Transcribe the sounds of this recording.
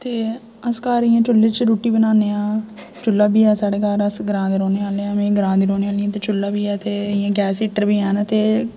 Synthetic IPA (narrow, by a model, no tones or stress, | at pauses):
t̪eː | əskaːɾɪjãːt͡ʃʊlːeːt͡ʃɾuːʈiːbənaːneːãː | t͡ʃʊlːaːbʱiːɛːsaːɽeːkaːɾəsɡəɾãːd̪eɾoːneːaːleːãːmẽːɡəɾãːnd̪eːɾoːneːaːliãːt̪eːt͡ʃʊlːaːbiːɛːt̪eːɪjãːɡɛːsiːʈəɾbiːɛːnaːt̪eː